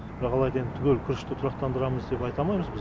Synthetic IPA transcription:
bɪɾɑqɑlˠɑjd̪ɑent̪ʰʏɡʲelkʲʰʏɾɪʃt̪ɪt̪ʰʊɾɑq̚t̪ɑnd̪əɾɑməzd̪e̞pɑjt̪ɑmɑjməzbɪ

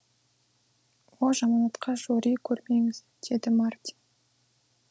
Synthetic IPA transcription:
wolˠʒɑmɑɑt̪qɑʒoɾijkʲʰɵɾme̞ŋɪz̥ | d̪̥e̞d̪ɪmart̪ʲi̥n

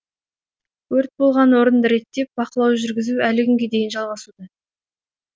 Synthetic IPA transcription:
wɵɾt̪̚bo̞lˠʁɑnwo̞ɾənd̪əɾe̞t̪ːe̞p̚bɑqəlˠɑwʒʏɾɡʲɪzuælɪkʰʲʏŋɡʲe̞d̪e̞jɪnʒɑlˠʁɑsud̪ə

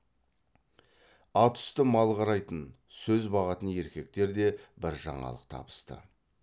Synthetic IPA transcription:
ɑt̪ʰʏ̥st̪əmɑlˠʁɑɾɑjt̪ən | sɵzbɑʁɑt̪əne̞ɾkʲe̞k̚t̪e̞ɾd̪e̞bɪɾʒɑ̰ɴɑ̰lˠəq̚t̪ʰɑ̰bə̥st̪ə̰

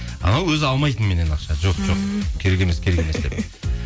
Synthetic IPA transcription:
ɑ̰nɑwɵzɑlˠmɑjt̪ənme̞ne̞nɑqʃɑʒo̞qʒo̞qkʲʰe̞ɾekʲe̞mskʲʰe̞ɾekʲe̞me̞sd̪e̞p

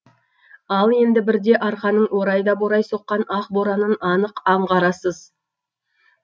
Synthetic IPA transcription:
ɑlˠe̞nd̪ɪbɪɾd̪e̞ʔɑɾqɑnəɴwo̞ɾɑjd̪ɑboɾɑjso̞qːɑnɑq̚boɾɑnənɑnəqɑɴʁɑɾɑsəz

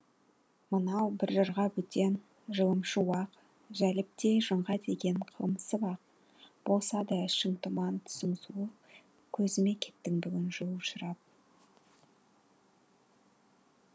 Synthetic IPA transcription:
mənɑwbɪɾʒəɾʁɑbʏt̪e̞n | ʒəlˠəmʃəwɑq | ʒælɪp̚t̪e̞ʒəɴʁɑd̪eɡʲe̞nqʰəlˠməsəbɑq̚ | b̥o̞lˠsɑd̪əʃəŋt̪əmɑnt̪ʰʊ̥səmsuə | kʲʰɵzɪme̞kʲʰe̞̥t̪ːɪŋbʏɡʲɪnʒuəʃəɾɑp̚

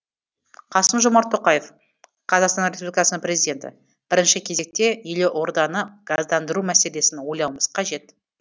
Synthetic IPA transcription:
qʰɑsəmʒomɑɾt̪ʰːoqɑje̞f | qʰɑzɑqst̪ɑnɾʲespublikɑsənəɴpɾe̞zijd̪ʲe̞nt̪ɪ̰ | b̥ɪɾɪnʃɪkʲʰe̞ze̞k̚t̪e̞ʏle̞ʔo̞ɾd̪ɑnəɡ̥azd̪ɑnd̪əɾumæse̞le̞sɪnwo̞jlˠɑwmə̥z̥qʰɑʒe̞t̪

